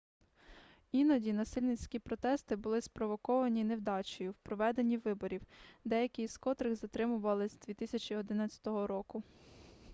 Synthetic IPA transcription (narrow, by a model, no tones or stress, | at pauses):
inɐdʲinɐsɪlʲnɪt͡sʲkʲipɾɔt̪ɛst̪ɪbʊlˠɪspɾɔʋɔkɔʋɐnʲine̞wd̪ɑt͡ʃɔjʊwpɾɔʋɛd̪enʲiʋɪbɔɾʲiwd̪ɛjɐkʲɪjskɔt̪ɾɪɣzɐt̪ɾɪmʊʋɐlˠɪzʲd̪ʋʲit̪ɪsʲɐt͡ʃiɔd̪ɪnɑt͡sʲɐ̥t̪ɔɦɔɾɔkʊ